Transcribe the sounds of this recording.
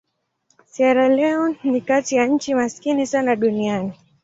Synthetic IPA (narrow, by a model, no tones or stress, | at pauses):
siaɾalɛɔnikatijaɲ̩t͡ʃimaskinisanaɗuniani